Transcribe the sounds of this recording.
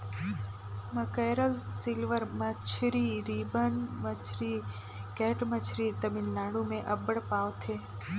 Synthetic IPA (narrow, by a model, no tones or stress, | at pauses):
məkeɾəlsilʋəɾmət͡ʃʰɾiɾibənmət͡ʃʰɾi | keːʈmət͡ʃʰɾit̪əmilːaːɽũmẽʔəbəɽpaːʋt̪ʰeː